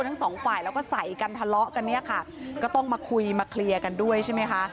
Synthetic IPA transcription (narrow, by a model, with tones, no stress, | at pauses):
nt̪ʰŋsɔː˩˦ŋfaː˨˩jlɛː˦˥wkɔː˥˩sa˨˩˦jka˧nt̪ʰa˧lɔ˦˥ʔka˧nːi˥˩ɐkʰa˥˩kɔː˥˩t̪ɔ˥˩ŋmaː˧kʰu˧jmaː˧kʰli˧ɐka˧ndu˥˩əjt͡ɕʰa˥˩jm˦˥jkʰa˦˥ʔ